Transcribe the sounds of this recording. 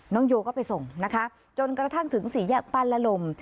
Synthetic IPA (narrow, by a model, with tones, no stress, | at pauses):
nɔː˦˥ŋjoː˧kɔː˥˩pa˧jso˨˩ŋna˦˥kʰa˦˥ | t͡ɕo˧nkɾa˧t̪ʰa˥˩ŋt̪ʰɯ˩˦ŋsiː˩˦jaː˥˩k̚pa˧la˧lo˧m